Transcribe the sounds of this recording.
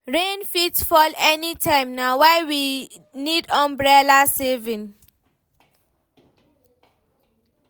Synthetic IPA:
ɹẽnfitfɔlɛnitʰãɪ̃mnawaɪwi | nidãmbɹɛlasevĩn

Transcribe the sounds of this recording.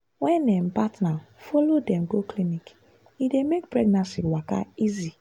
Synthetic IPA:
wɛ̃nːɛm̩patnafɔlodɛ̃mɡoklinik | idemek̚pɹɛɡnãnsiwaka̰izi

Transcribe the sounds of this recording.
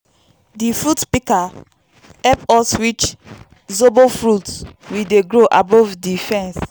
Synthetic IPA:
difɹutpika | hɛpɔswit͡ʃ | zobofɹutswideɡɹoʔabɔvdifɛ̃ns

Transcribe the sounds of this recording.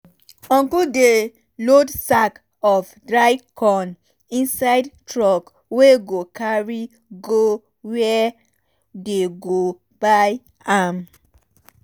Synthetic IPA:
ɔ̃ŋkude | lodsak | ɔfdɹaɪkʰɔ̃n | ĩnsaɪdtɹɔk | weɡokaɹi | ɡo | wɛ | deɡo | b̥aj | am

